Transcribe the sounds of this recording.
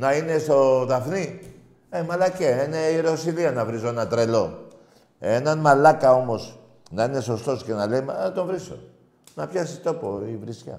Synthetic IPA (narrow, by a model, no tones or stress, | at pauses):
nɐine̞st̪o̞ðɐfni | emɐlɐceene̞iɾosiliɐnɐvɾizoenɐt̪ɾe̞lo̞ | enɐnmɐlɐkɐo̞mo̞s | nɐine̞so̞st̪o̞sce̞nɐle̞jmɐt̪o̞nvɾiso̞̰ | nɐpçɐsit̪o̞po̞ivɾiscɐ̰